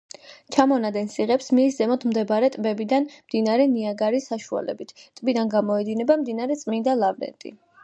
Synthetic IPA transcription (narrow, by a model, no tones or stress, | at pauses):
t͡ʃʰamɔnad̪ɛnsiʁɛpsmiːszɛmɔt̪ʰmd̪ɛbaɾɛt̪ʼbɛbid̪anmd̪inaɾɛniaɡaɾisːaʃua̰lɛ̰bit̪ʰt̪ʼbid̪anɡamɔɛd̪inɛbamd̪inaɾɛt̪sʼmind̪alˠavɾɛ̰nt̪ʼḭ